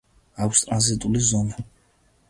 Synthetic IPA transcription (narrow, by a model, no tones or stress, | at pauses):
akʷʰst̪ʼɾanzit̪ʼulizɔna